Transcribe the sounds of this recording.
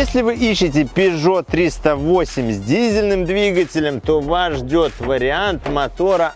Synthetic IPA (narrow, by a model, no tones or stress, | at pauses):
esʲlʲɪvɨʔiɕːɪtʲɪpʲɪʐo̞t̪ːɾʲist̪əvosʲɪmʲzʲdʲizʲɪlʲnɨmd̪vʲiɡətʲɪlʲəmt̪ovaʐdʲo̞t̪vəɾʲɪant̪mɐt̪o̞ɾə